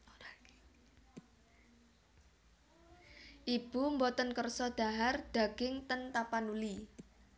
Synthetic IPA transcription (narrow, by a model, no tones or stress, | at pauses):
ʔib̥umbɔt̪ənkərsɔd̪̥a̤ɦard̪̥a̤ɡ̥ɪŋt̪ənt̪apanuli